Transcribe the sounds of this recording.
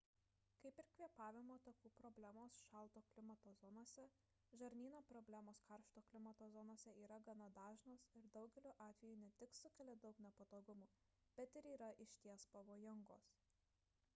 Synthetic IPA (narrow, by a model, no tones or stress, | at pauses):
kɐɪpɪɾkʲʋʲiɛpɑːʋʲɪmoːt̪ɐkuːpɾɔbʲlʲæmoːsʃɑlˠˑt̪oːklʲɪmɐt̪oːzɔnoːsʲɛ | ʒɐɾʲnʲiːnoːpɾɔbʲlʲæmoːskɐɾʃt̪oːklʲɪmɐt̪oːzɔnoːsʲɛiːɾɐɡɐnɐd̪ɑːʒnoːsɪɾd̪ɒʊɡʲɛlʲuːʔɑːt̪ʲʋʲɛjuːnʲɛt̪ʲɪksʊkʲɛlʲed̪ɒʊknʲɛpɐt̪oːɡʊmuː | b̥ʲɛt̪ɪɾiːɾɐʔɪʃʲt̪ʲiɛspɐʋoːjɪŋɡo̰ːs